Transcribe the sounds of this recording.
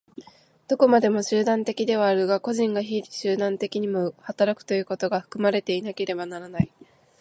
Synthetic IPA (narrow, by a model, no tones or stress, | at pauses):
d̪̥o̞ko̞mad̪e̞mo̞ɕɨːd̪ãnt̪e̞kʲid̪e̞β̞aːɾɯ̟ɡako̞ʑĩŋɡaçiɾɕɨːd̪ãnt̪e̞kʲiɲ̟imo̞hat̪aɾakɯ̥t̪o̞jɯ̟ːko̞t̪o̞ɡaɸɯ̟̥kɯ̟maɾe̞t̪e̞inake̞ɾe̞banaɾanai